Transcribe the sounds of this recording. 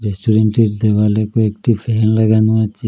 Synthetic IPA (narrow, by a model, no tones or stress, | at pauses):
ɾesʈʰuɾenʈiɾd̪ebalekoekʈipʰeɦɛnlaɡanuat͡ʃʰi